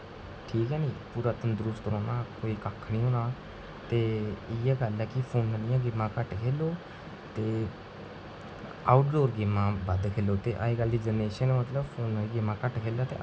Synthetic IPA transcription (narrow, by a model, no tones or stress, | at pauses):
ʈʰiːkɛːniːpuːɾaːt̪ənd̪ʊɾʊst̪ɾoːnaːkoːiːkakʰːnĩːɦoːnaː | t̪eːɪjaːɡəlɛkɪpʰoːnənɪjãːɡɪmːãːkəʈkʰeːloː | t̪eː | aːʊʈɖoːɾɡɪmãːbəd̪kʰeːloːt̪eːʔa̰ːeːɡəld̪iːd͡ʒəneːʃənːmət̪ləbpʰoːnəiːɡɪmːãːkəʈkʰeːlaːt̪ḛː